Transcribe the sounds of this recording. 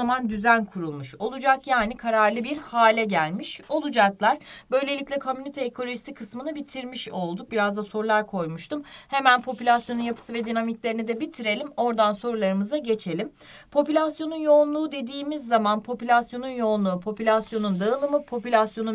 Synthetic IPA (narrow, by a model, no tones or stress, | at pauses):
amand̪yzænkʰuɾulˠmuʃo̞lˠud͡ʒakjaːnikʰaɾaɾlˠɯbiɾhaːlʲɛɟælʲmiʃo̞lˠud͡ʒaklˠaɾbø̞jlʲe̞lʲiclʲɛkʰomynit̪ʰɛːkʰo̞lʲo̞ʒisikʰɯsmɯnɯbit̪ʰiɾmiʃo̞lˠd̪uk̚biɾazd̪aso̞ɾulˠaɾkʰo̞jmuʃt̪ʰumhemænpʰo̞pylʲasjo̞nunjapʰɯ̥sɯvɛd̪inamiclʲe̞ɾinid̪ɛbit̪ʰiɾe̞lʲimo̞ɾd̪anso̞ɾulˠaɾɯmɯzaɟe̞t͡ʃʰe̞lʲim | pʰo̞pylʲasjo̞nunjo̞unlˠuːd̪e̞d̪iːmizːamanpʰo̞pylʲasjo̞nunjo̞ːnlˠuːpʰo̞pylʲasjo̞nund̪aɯlˠɯmɯpʰo̞pylʲasjo̞nu